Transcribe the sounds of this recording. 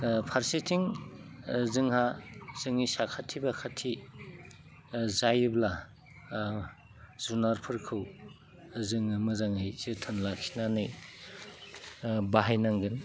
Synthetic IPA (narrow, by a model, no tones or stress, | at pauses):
pʰaɾsetʰiŋ | zɯŋhaz̥ɯŋisakʰatʰibakʰatʰi | zajɯbla | z̥unaɾpʰɯɾkʰɯw | zɯŋɯmɯzaŋhɯjzɯtʰɯnlakʰi̥nanɯj | baɦajnaŋɡɯn